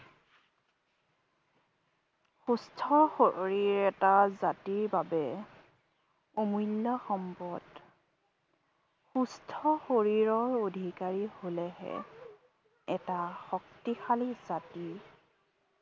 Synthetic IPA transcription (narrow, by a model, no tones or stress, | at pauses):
xustʰɔxoɹiɹɛtazatiɹbabɛ | omujlːɔxɔmpɔd | xustʰɔxoɹiɹɔɹodʱikaɹiholɛɦɛ̰ | ɛtaxɔk̚tixaliz̥ati